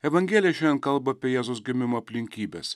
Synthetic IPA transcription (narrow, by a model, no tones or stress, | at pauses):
ɛʋɐŋʲɡʲeːlʲɪjɛʃʲɛnd̪ʲɛnkɐlˠbɐɐpʲiɛjɛːzoʊsɡʲɪmʲɪmoːɐpʲlʲɪŋʲkʲiːbʲḛs